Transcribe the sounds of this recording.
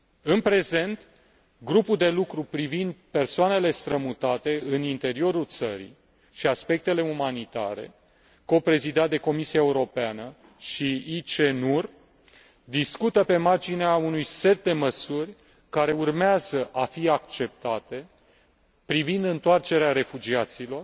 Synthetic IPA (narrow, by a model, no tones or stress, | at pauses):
ɨnpɾe̞ze̞nt̪ | ɡɾupuld̪e̞lukɾupɾivind̪pe̞rsoane̞le̞st̪ɾəmut̪at̪e̞ɨnint̪e̞ɾio̞ɾult̪sə̰ɾḭ | ʃiaspe̞k̚t̪e̞le̞umanit̪a̰ɾe̞̰ | ko̞pɾe̞zid̪at̪̚d̪e̞ko̞misiaeuɾo̞peanə | ʃiit͡ʃenur | d̪iskut̪əpe̞mard͡ʒineaunujse̞t̪̚d̪e̞məsurʲ | kaɾe̞urmeazəʔafiakt͡ʃe̞p̚t̪at̪e̞ | pɾivind̪ɨnt̪oart͡ʃe̞ɾeaɾe̞fud͡ʒiat̪silo̞r